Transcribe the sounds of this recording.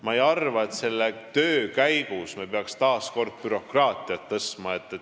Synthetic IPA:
mɑejɑrvɑe̞t̪se̞lːet̪øːkæjɡ̥usmepeɑkst̪ɑːsko̞rd̪̥̚pyɾo̞krɑːt̪ˑiɑt̪ːɤst̪mɑe̞t̪ːˑe

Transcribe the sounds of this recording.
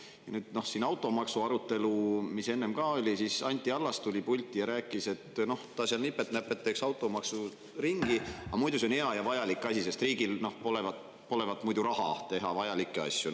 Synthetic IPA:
jɑ̰nyːd̪̥no̞hsinɑwt̪ːˑo̞mɑksuɑɾut̪ːˑe̞lumise̞nːe̞mkɑːo̞lʲisisɑnʲt̪ʲːˑiɑlːɑst̪ulʲipulʲt̪ʲːˑijɑɾæːkːˑise̞t̪no̞ht̪ɑsiɑlnipːet̪næpːet̪ːeksɑwt̪ːˑo̞mɑksu | ɾiŋɡ̥iɑmujd̪us̬e̞onhe̞ɑjɑvɑjɑlikːˑɑsʲise̞st̪riːɡ̥ilno̞hpo̞levɑt̪ | po̞le̞vɑt̪ːˑmujd̪uɾɑɦɑ̰t̪e̞ɦɑvɑjɑlikˑːeɑ̰sʲju

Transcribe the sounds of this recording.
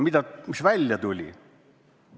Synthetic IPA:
mit̪æysʋælʲjæt̪ulʲḭ

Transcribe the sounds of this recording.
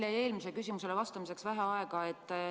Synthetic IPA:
lːee̞ːlmisekysimuse̞levɑst̪ɑmise̞ksvæɦeɑe̞ɡ̥ɑet̪ːˑ

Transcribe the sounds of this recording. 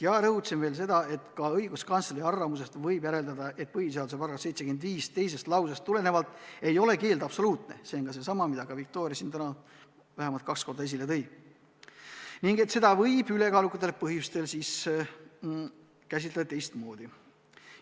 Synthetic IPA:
jɑɾɤɦut̪senve̞ːls̬e̞d̪̥ɑe̞t̪kɑɤjɡ̥uskɑnt̪seliɑrvɑmus̬e̞st̪vɤjbjæɾe̞ld̪ɑd̪ɑʔe̞t̪̚pɤɦhis̬eɑld̪use̞pɑrɡɑsse̞jt̪se̞ɡyend̪viːst̪e̞jse̞st̪lɑws̬ɑst̪ːule̞ne̞vɑlt̪ːˑe̞jo̞le̞ke̞ːld̪ɑpso̞luːt̪ˑne̞̰se̞onɡ̥ɑs̬e̞sɑmɑmid̪ɑɡɑvik̚t̪o̞ːɾʲiɑsint̪ænɑ | væɦemɑlt̪̚kɑksko̞rd̪ɑes̬ilet̪ɤ̞j̥ | niŋɡ̥et̪se̞d̪̥ɑvɤjb̥yle̞kɑːlukːˑɑt̪ːˑelpɤɦjust̪e̞lsiːs | kæs̬it̪let̪e̞jst̪mo̞ːd̪̥i

